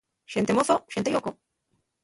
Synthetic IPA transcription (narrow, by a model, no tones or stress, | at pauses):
ʃent̪emoθoʃet̪ejoko